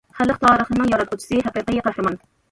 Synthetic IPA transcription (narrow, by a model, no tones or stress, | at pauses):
χælːɨχt̪ʰɑːɾəχənɨŋjɒɾɑt̪qʰʊt͡ʃʰi̥sɨɦæqiːqjeqæhɾɨmɑn